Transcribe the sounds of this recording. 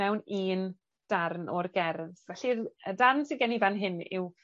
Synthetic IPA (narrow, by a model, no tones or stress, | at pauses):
ɛwniːn | d̥arnɔrɡɛrðvɛɬirədarnsiɡɛnivanɦɪnɪ̰w